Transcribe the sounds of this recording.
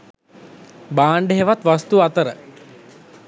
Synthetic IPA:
baːɳɖeɦeʋat̪ʋast̪uat̪əɾə̰

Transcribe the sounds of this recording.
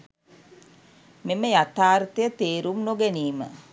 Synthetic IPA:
meməjat̪aːɾt̪əjət̪eːɾumnoɡeniːmə

